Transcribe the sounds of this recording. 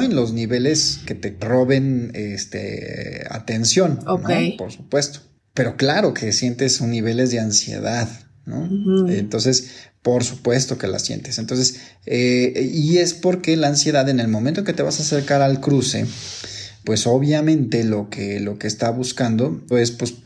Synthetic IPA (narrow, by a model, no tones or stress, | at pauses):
enlo̞zniβe̞le̞ske̞t̪e̞ro̞βe̞nest̪ḛa̰t̪e̞nsjo̞nonopo̞ɾsu̥pwe̞st̪o̥ | pe̞ɾo̞klaɾo̞ke̞sje̞nt̪e̞sonːiβe̞le̞zðe̞ansjḛðað | no̰ent̪o̞nse̞spo̞ɾsupwe̞st̪o̞ke̞la̰sjḛnt̪e̞sent̪o̞ns̬es | eie̞spo̞ɾke̞laːnsje̞ðaðe̞ne̞lmõmẽnt̪oŋket̪eβasaːse̞ɾkaɾalkɾusḛ | pwe̞so̞βjamẽ̞nt̪e̞lo̞kelo̞keːst̪aβuskand̪o̞e̞spwe̞s